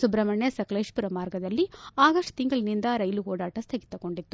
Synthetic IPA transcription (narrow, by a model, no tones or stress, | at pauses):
subɾɐmɐɳjɐsɐkɐleːʂpuɾɐmaːɾɡɐd̪ɐlːiaːɡɐʂʈt̪iŋɡɐɭnind̪ɐɾɐjluɦɔːɽaːʈɐst̪ʰɐɡit̪ːɐko̞ɳɖit̪ːu